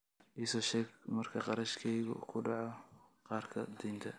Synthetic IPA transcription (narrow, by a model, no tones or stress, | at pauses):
ʔiːsɔːʃɛːɡmɐrkʰɐqɑɾɐʃkʰɛjɣʊ̰kʰʊɖɑʕɔqɑːrkʰɐd̪iːnt̪ʰɐ